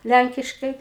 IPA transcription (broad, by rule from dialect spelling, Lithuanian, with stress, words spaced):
ˈlʲæŋʲkʲɪʃkɐɪ